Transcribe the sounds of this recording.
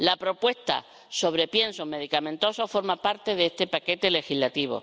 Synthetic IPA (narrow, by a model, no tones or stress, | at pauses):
lapɾo̞pwe̞st̪a̰ | so̞β̞ɾe̞pje̞nsoɦme̞ðikamẽ̞nt̪o̞sofo̞ɾmapaɾt̪e̞ðeest̪e̞pake̞t̪e̞le̞xilat̪iβo̰